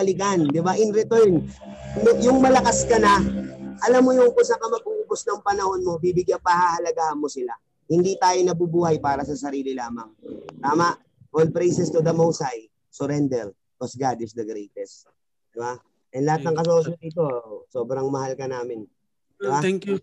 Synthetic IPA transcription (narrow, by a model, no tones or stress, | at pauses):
ɐlɪɡand̪ɪbaʔɪnɾɪt̪ɔɹnnʊjʊŋmɐlɐkaskɐnɐʔɐlamːojʊŋkʊsɐkɐmɐɡ̚uubʊsnɐŋpɐnɐho̞nmo̞bibɪɡjɐnpɐhahɐlɐɡaːhɐnmosɪla | hɪnd̪iːt̪aːjonɐbubuːhɐjpaːɾɐsɐsɐɾiːlɪlaːmɐŋt̪aːmaʔ | ʔolpɾejsɛst̪ʊd̪ɐmowsaj | sʊɾɛnd̪ɛɾ | kosɡad̪ɪsd̪ɐɡɾejt̪ɛs | d̪ɪba | ʔɛnlɐat̪nɐŋkɐs̬osɐd̪iːt̪o̞soːbɾɐŋmɐhalkɐnaːmɪn | d̪ɪba